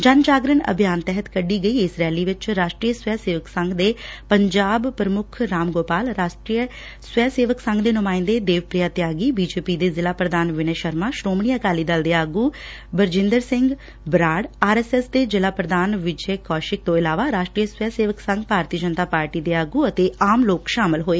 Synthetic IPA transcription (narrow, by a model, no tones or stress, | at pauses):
d͡ʒənd͡ʒaːɡɾəɳə̰bʱijaːnt̪ɛɦət̪kəɖiːɡəiːɪsɾɛːliːʋɪt͡ʃɾaːʃʈɾiːəswɛːseːʋəksə̃ŋɡd̪eːpəɲd͡ʒaːbpɾəmʊkʰɾaːmɡoːpaːlɾaːʃʈɾiːə | swɛːseːʋəksə̃ŋɡd̪eːnʊmaːɪ̃nd̪eːd̪eːʋpɾijaːt̪jaːɡiːbiːd͡ʒeːpiːd̪eːzɪlaːpɾəd̪aːnʋɪneːʃəɾmaːʃɾoːmɳijakaːliːd̪əld̪eːaːɡuː | bəɾd͡ʒɪ̃nd̪əɾsɪ̃ŋɡ | bɾaːɽaːɾɛːsɛːsd̪eːd͡ʒɪlaːpɾəd̪aːnʋɪd͡ʒeːkɔːʃɪk̚t̪õːɪlaːʋaːɾaːʃʈɾiːəsʋɛːseːʋəksə̃ŋɡpaːɾt̪iːəd͡ʒənt̪aːpaːɾʈiːd̪eːaːɡuːət̪eːaːmloːkʃaːmɪlɦoːeː